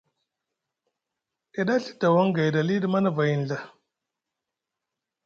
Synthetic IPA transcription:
e˨ɗa˦ɬi̥˦da˨wa˦ŋɡa˨jda˨li˦di˦˨ma˦na˦˨va˨ji˨n˨ɮa˨

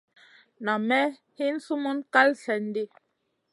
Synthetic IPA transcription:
na˨mɛ˦ | hi˦n̩˦su˦mu˦nka˦lsɛ˨n˦di˦

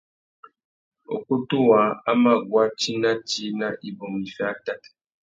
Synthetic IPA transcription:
o̰˨ku˦tu˦wa˨˦a˦ma˦˨ɡwa˦t͡ʃi˦na˦t͡ʃi˦na˦ʔi˨bo˨mi˨fɛ˦a˦ta˦t

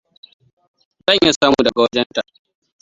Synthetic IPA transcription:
zɐ˦˨ɲja˦˨saː˦muː˨dɐ˨ɡa˨wɐ˦d͡ʒɛ˦nta˨

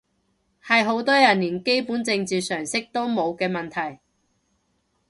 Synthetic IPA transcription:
hɐ˨jɦo˨˥wt̪ɔː˥jɐ˨˩nːiː˨˩nke˥jpuː˨˥nt͡sɪ˧ŋt͡siː˨sœː˨˩ŋsɪ˥k̚t̪o˥wmo˨˧wkɛː˧mɐ˨nt̪ʰɐ˨˩j

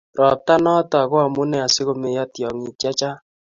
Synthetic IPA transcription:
ɾɔ˨p̚ta˦nɔ˦tɔ˨a˨ɣwa˨mu˦nɛ˦a˨sɪ˦ɣo˦me˨ja˦tjɔ˨ŋi˨t͡ʃa˦t͡ʃa˦

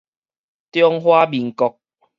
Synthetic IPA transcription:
t̪jɔ˦ŋɦwa˦bi˨˩ŋkɔ˧k̚

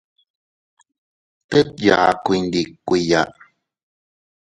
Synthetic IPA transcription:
t̪e˦t̪̚ja̰˨kui˧nd̪i˨kːʷi˨ja˨ʔ

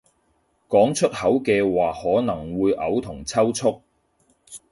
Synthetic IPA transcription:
kɔː˨˥ŋt͡ʃʰɵ˥t̚hɐ˨˥wkɛː˧waː˨hɔː˨˥nɐ˨˩ŋwuː˨˧jʔɐ˨˧wt̪ʰʊ˨˩ŋt͡sʰɐ˥wt͡sʰʊ˥k̚

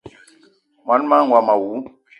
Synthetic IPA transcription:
ma˨˦n˦ma˦ŋ˨wa˨ma˨wu˨˦

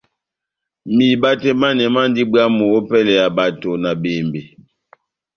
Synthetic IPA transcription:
mi˨ba˦tɛ˦ma˦nɛ˨ma˦n˦di˦bwa˦mo˨o˦pɛ˦lɛ˨ja˨ba˨to˨na˨be˨mbe˨

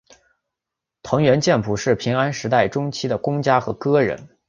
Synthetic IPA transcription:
t̪ʰʊ˧˥ŋɥɛ˧˥nt͡ɕjɛ˥˧npʰu˧˩ʂɻ̩˥˩pʰi˧˥ŋa˥nʂɻ̩˧˥t̪a˥˩ɪʈ͡ʂʊ˥ŋt͡ɕʰi˥d̪ə˨˩kʊ˥ŋt͡ɕja˥xɤ˧˥kɤ˥ɻə̰˧˥n

